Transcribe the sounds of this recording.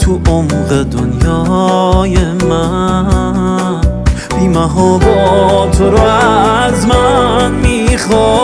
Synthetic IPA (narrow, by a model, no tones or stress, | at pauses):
t̪ʰuʔomvad̪ʊnjɔ | jema | bimaɦɔbɔt̪ʰoɾɔazmanmiχɔ